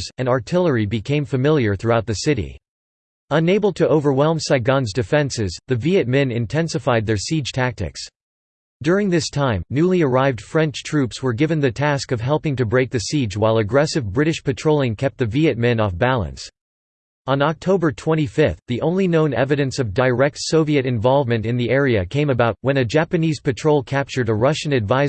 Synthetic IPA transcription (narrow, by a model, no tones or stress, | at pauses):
zɨ̃nɑɹtʰɪlˠə˞ibɨkʰẽɪ̃ɱfɨmɪlˠjə˞θɹʉaʊt̪̚ðɨsɪɾḭ | ə̃neɪbl̩̚ˠtʰɨʔoʊvə˞wɛlˠmsaɪɡɑ̃nzdɨfɛ̃nsɪzðɨviɨt̚mɛ̃nɨ̃ntʰɛ̃nsɨfaɪd̪̚ðə˞sid̥ʒ̥tʰæk̚tɨ̰ks | d̥ʊɹɪ̃ŋðɪstʰãɪ̃mnʉlˠiə˞aɪvd̥fɹɛ̃nt͡ʃtʰɹ̥ʉpswə˞ɡɪvɨ̃nðɨtʰæskʌv̥ɦɛlˠpɪ̃ŋtɨbɹeɪk̚ðɨsid͡ʒwaɪlˠɨɡɹɛsɨvbɹɪɾɨʃpɨtʰɹ̥oʊlˠɪ̃ŋkʰɛp̚t̪̚ðɨviɨt̚mɛ̃nɔfbælˠə̰̃ns | ə̃nɑk̚tʰoʊbə˞tʰw̥ɛ̃ɾ̃ifɪθθðiʔõ̰ʊ̃nlinõʊ̃nɛ̰vɨɾɨ̃nsʌvdaɪɹɛk̚tsoʊviɨɾɨ̃ɱvɑlˠvmɨ̃ntɨ̃nðiɛɹiɨkʰẽɪ̃mɨbaʊt̚wɨ̃nɨd͡ʒæpɨniz̥pɨtʰɹ̥oʊlˠkʰæp̚t͡ʃə˞ɾəɹʌʃɨ̃nɨdvaɪ